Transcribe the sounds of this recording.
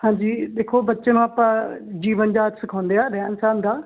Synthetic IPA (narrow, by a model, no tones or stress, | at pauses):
hãːd͡ʒiːd̪eːkʰoːbətːʃenũːaːpãːd͡ʒiːʋənd͡ʒaːt̪sɪkʰãːnd̪eːaːɾɛnsaːnd̪ãː